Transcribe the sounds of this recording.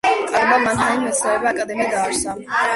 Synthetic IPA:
kʼaɾbamant̪ʰaninmɛsɛɛbaakʼad̪ɛmiad̪aːɾsa

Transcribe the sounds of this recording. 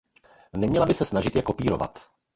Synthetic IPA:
nɛmɲɛlabɪsɛsnaʒɪt̪jɛkopiːɾo̞̰va̰t̪

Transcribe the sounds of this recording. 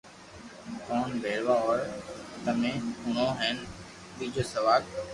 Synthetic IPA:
kɔːnbʱeːɾʋaɔːɾt̪əmẽːʊɳ̤õɦɛːn | ɓiːd͡ʑoːsəʋaːl

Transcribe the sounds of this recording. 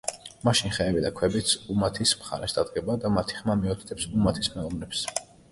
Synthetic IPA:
maʃinχɛːbid̪akʰwɛbit̪sʰumat̪ʰismχa̰ɾɛ̰sd̪̥ad̪̚ɡɛbad̪amat̪ʰi̥χmamiɔt̪ʰt̪ʰɛpsumat̪ʰismɛlˠɔmnɛps

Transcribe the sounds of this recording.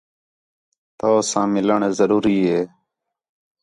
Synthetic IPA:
t̪oːsãːmɪləɳzəɾuːɾiːɦeː

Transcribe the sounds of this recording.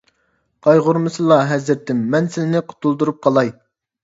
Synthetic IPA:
qʰɑjʁʊɾmɨsɨlˠɑɦɛzɾɾt̪ʰɪmːɛnsɪnɪnɪqʰʊ̥t̪ʰulˠd̪uɾup̚qʰɑlˠɑj

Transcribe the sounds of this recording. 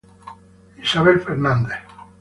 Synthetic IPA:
isaβelfeɾnãnd̪eθ

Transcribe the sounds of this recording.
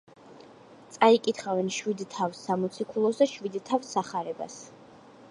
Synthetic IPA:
t̪sʼaikʼit̪ʰχavɛnʃwid̪t̪ʰafsːamɔt̪sʰikʰulˠɔsd̪aʃwid̪t̪ʰafsːaχaɾɛba̰s

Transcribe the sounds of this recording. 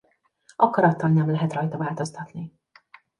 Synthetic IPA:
ʔɒkɒɾɒt̪ːɒlnɛmlɛɦɛt̪rɒjt̪ɒvaːlt̪o̞st̪ɒt̪ni

